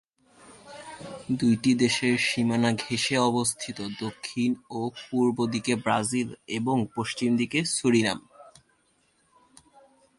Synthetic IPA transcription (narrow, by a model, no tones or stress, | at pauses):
d̪ujʈid̪eʃeɾʃimanaɡʱeʃeɔbost̪ʰit̪od̪okʰːinopuɾbod̪ikebɾazileboŋpoʃt͡ɕimd̪ikesuɾina̰m